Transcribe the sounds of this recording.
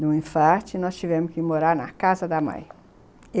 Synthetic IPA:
d̪ʊ̃ĩfaɾt͡ʃɪnɔst͡ʃivɛ̃mʊskɪmoɾaɾnɐkazɐd̪ɐmɐ̰̃j̃

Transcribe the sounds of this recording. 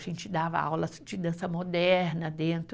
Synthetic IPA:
ʒẽnt͡ʃɪd̪avɐ̰a̰wlɐsd͡ʒɪd̪ɐ̃sɐmod̪ɛɾnɐd̪ẽnt̪

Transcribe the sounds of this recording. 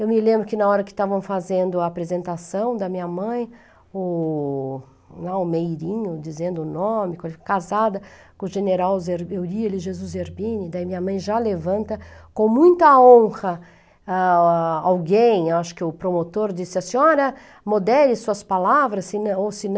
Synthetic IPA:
ewmɪlẽmbɾʊkɪnɐɔɾɐkɪ̥t̪avɐ̃w̃fazẽnd̪ʊɐːpɾezẽnt̪asɐ̃w̃d̪ɐmĩɲɐmɐ̃j̃ | ʊ | laʊmejɾĩɲʊd͡ʒizẽnd̪ʊnõmɪkõelkkazad̪ɐ | kõʊʒeneɾawzeɾewielɪʒezuzeɾbĩnɪd̪ɐimĩɲɐmɐ̃j̃ʒalevɐ̃nt̪ɐkõmũj̃t̪ɐõhɐ | aawɡẽj̃aʃʊ̥kɪʊpɾomot̪oɾd͡ʒisɪɐsĩɲɔɾɐ | mod̪ɛlɪsuɐspalavɾɐsɪnosɪn

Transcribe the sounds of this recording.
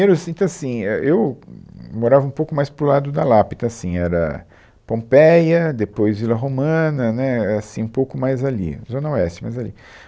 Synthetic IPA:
imeɾʊsĩnt̪ɐ̃asĩɛʔew | moɾavɐũpowkʊmajspɾʊlad̪ʊd̪ɐlapid̪ɐasĩɛɾɐ̰ | põpɛjɐd̪epojzvilɐɦomɐ̃nɐnɛasĩũpowkʊmajzalḭzõnɐoɛst͡ʃɪmajzalḭ

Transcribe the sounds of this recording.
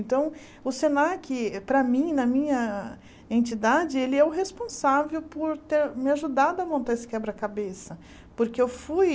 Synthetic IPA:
nt̪ɐ̃w̃ | ʊsenaɾkɪpɾɐmĩnɐmĩɲɐ | ẽnt͡ʃid̪ad͡ʒɪelɪɛʊɦespõsavewpoɾt̪eɾmɪaʒud̪ad̪ʊɐmõnt̪aesɪ̥kɛbɾɐkabesɐ | poɾkeewfuj

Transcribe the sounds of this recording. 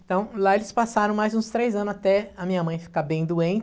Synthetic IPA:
t̪ɐ̃w̃laelɪspasaɾɐ̃w̃majzũst̪ɾejzɐ̃nʊzat̪ɛɐmĩɲɐmɐ̃j̃fi̥kabẽj̃d̪uẽnt͡ʃ

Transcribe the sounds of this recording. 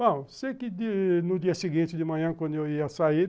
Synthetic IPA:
bɐ̃sejkɪd̪inʊd͡ʒiɐsiɡĩnt͡ʃɪd̪ɪmɐ̃ɲɐ̃kwɐ̃nd̪ʊewiɐsai

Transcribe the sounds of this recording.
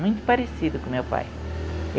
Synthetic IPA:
mũj̃t̪ʊ̥paɾesid̪ʊkõmewpa̰j | e

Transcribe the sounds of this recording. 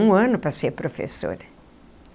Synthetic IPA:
ũɐ̃nʊpɾɐseɾpɾofḛso̰ɾ

